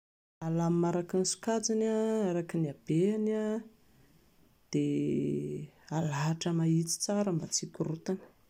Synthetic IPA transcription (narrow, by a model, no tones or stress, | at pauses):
alammaɾakinsu̥kat͡sinaaɾakiniab̥eana | d̪̥e | alaɦaʈ͡ʂəmait͡si̥t͡saɾəmbat͡sikʲuɾut̪anə̥